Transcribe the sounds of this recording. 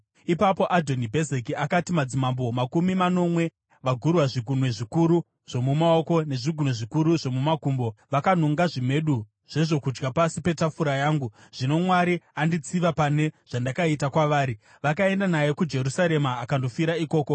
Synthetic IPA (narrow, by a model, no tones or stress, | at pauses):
ipapo̞ʔadʱo̞nibʱe̞zekiakatimad͡zimambo̞makumimano̞mwe̞ | ʋaɡʱurwaʐiɡʱun̤we̞ʐikuɾu | ʐ̥o̞mumao̞ko̞ne̞ʐiɡʱunwe̞ʐikuɾuʐo̞mumakuːmbo̞ʋakan̤oŋɡaʐime̞ɗu | ʐ̥e̞ʐo̞kud͡ʒɡapasipe̞tafuɾajaːŋɡuʐ̥ino̞mwaɾiandit͡siʋapane̞ʐ̥andakaitakwaʋaːɾi | ʋakae̞ndanajekud͡ʒe̞ɾusaɾe̞maːkando̞fiɾaiko̞ːko